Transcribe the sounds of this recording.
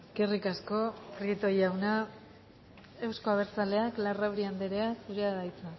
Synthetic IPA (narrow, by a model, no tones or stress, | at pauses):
kerikasko̞kɾit̪o̞jawna | e̞wskoaβ̞e̞ɾt͡sale̞aklarawɾiand̪eɾeasuɾeaðajt͡sa